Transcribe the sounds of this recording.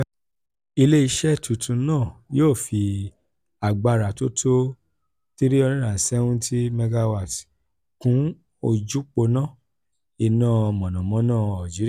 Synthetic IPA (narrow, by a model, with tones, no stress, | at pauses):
i˧le˦i˧ʃɛ˦tu˨tʰũ˧˦nãː˦˨joː˦˨fi˧ | a˨ɡ͡ba˧ɾa˨to˦tʰo˦ | ti˦ɾi˦ɔ˧ɾĩ˦ɾa˨sɛ˦ũ˦ti˦me˧ɡa˧wa˦˨t | kũ˨˦ | o˧d͡ʒu˦k͡po˧nãː˦˨ | i˧nãː˦˨ɔ˧mɔ̃˨nɔ̃˨mɔ̃˨˦nãː˦˨a˨d͡ʒi˨˦i˦˨